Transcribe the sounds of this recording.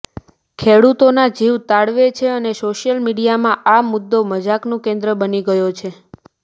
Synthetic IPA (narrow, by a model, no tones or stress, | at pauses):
kʰeɽut̪onad͡ʒiʋt̪aɽʋet͡ʃʰeənesoʃjəlmiɽijamãʔamʊd̪ːoməd͡ʒaknũkẽnd̪ɾəbəniɡəjot͡ʃʰe